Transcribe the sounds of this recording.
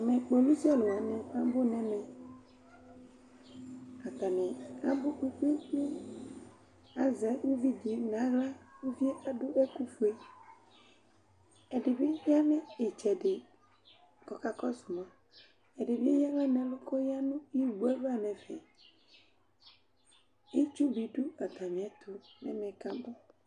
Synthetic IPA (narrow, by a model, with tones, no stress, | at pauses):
nɛ̃˨k͡po˨lu˦si˦a˦lo˨wa˨nɛ̃˨ã˦bʊ˦nɛ̃˦mɛ̃˨ | a˨t̪a˨nɛ̃˨a˦bʊ˦k͡pu˦k͡pi˦k͡pe˦ | a˦zɛ˨˦wu˦vi˦d͡ʒi˨nã˨˦ɣla˦wu˦vi˦e˦ʔa˦dʊ˦ʔɛ˦ku˦fu˨˦e˦ | ɛ˨dɪ˨bɪ˦ja˦nɛ̃˦ɪ˨t͡ʃɛ˨dɪ˨ | kɔ˨ka˨kɔ˦sʊ˨mã˨ | ɛ˨dɪ˨bɪ˦ja˦ŋã˦nɛ̃˨lʊ˦kɔ˦ja˦nʊ̃˦i˦˨ɡ͡bu˨˦ɛ˦va˦˨nɛ̃˨vɛ˨ | i˦t͡ʃu˦bi˨dʊ˦a˨t̪a˨mɪ̃˨ɛ˨t̪ʰʊ˨nɛ̰˦mɛ̃˨ka˨bʊ˦